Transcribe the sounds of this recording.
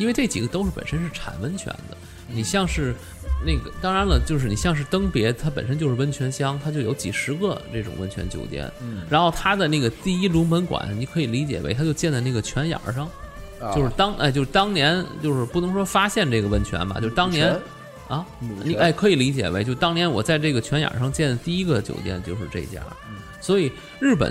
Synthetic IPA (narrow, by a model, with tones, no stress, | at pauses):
i˥n˥e˥˧ɪʈ͡ʂe˥˩t͡ɕḭ˨˩ɡə˦t̪o˥ʊʂɻ̩˥˩pə̰˨˩nʂə˥nʂɻ̩˥˩ʈ͡ʂʰa̰˨˩nwə˥nt͡ɕʰɥɛ̰˧˥nd̪ə˧ | ni˨˩ɕjɑ˥˧ŋʂɻ̩˥˩ | ne˥˩ɡə˩t̪ɑ˥ŋɻa˧˥nlə˨t͡ɕjo˥˧ʊʂɻ̩˥˩ni˨˩ɕjɑ˥˧ŋʂ̬ɻ̩˥˩t̪ɤ˥ŋpjɛ˧˥t̪ʰa˥p̬ə˨˩nʂə˥nt͡ɕjʂɻ̩˥˧ə˥nt͡ɕʰɥɛ˧˥nɕjɑ˥ŋt̪ʰa˥t͡ɕjo˥˩ʊjo˧˥ʊt͡ɕi˨˩ʂɻ̩˧˥ɡə˧ne˥˩ʈ͡ʂʊ̰˨˩ŋwə˥nt͡ɕʰɥɛ̰˧˥nt͡ɕjo̰˧˩ʊt̪jɛ̰˥˩nɻa˧˥nxo˥˩ʊt̪ʰa˥d̪ə˨ne˥˩ɡə˩t̪i˥˩i˥lu˧˥mə˧˥nkwa̰˨˧˩nni˨˧˥kʰɤ˧˥i˨˩li˧˥t͡ɕjɛ̰˨˩we˧˥ɪt̪ʰa˥t͡ɕjo˥˧ʊt͡ɕjɛ˥˧nt͡sa˥˧ɪn˥˩ɡə˩t͡ɕʰɥɛ˧˥njɑ̰˞˨˧˩ʂɑ˥˩ŋ | t͡ɕjo˥˧ʊʂɻ̩˥˩t̪ɑ˥ŋʔɪt͡ɕjo˥˧ɻ̩˥˧t̪ɑ˥ŋnjɛ˧˥nt͡ɕjo˥˧ʊʂɻ̩˥˧pu˥˩n˧˥ŋʂwɔ˥fa˥ɕjɛ˥˧nʈ͡ʂɤ˥˩ɡə˩wə˥nt͡ɕʰɥɛ̰˧˥nbɐ̰˨t͡ɕjo˥˧ʊʂ̩˥˧t̪ɑ˥ŋnjɛ˧˥n | ɐ˥˧ni˨a˥˩ɪkʰɤ˧˥i˨˩li˧˥t͡ɕjɛ̰˨˩we˧˥ɪt͡ɕo˥˧ʊ˧t̪ɑ˥ŋnjɛ˧˥nwɔ˨˩t͡sa˥˧ɪʈ͡ʂɤ˥˩ɡə˩t͡ɕʰɥɛ˧˥nja̰˨˩ʂɑ˥˧ŋt͡ɕjɛ˥˩nd̪ə˩t̪i˥˩i˥ɡə˧t͡ɕjo̰˨˩ʊt̪jɛ̰˥˧nt͡ɕjo˥˧ʊʂɻ̩˥˧ʈ͡ʂḛ˥˧t͡ɕja̰˥˧˩ | swɔ˧˥i˨˩˦ | ɻɻ̩˥˩pə̰˨˩˦n